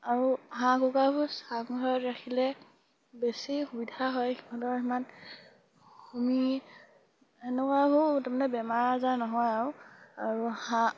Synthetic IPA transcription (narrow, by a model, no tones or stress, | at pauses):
aɹuɦãkukabusaŋɡʱɔjɔtɹakʰilɛ | besixubidʱaɦɔjiɔ̃tɔɹiman | xumi | enɛkwaɦutamanɛbɛmaɹazanɔɦɔjaɹuaɹuhã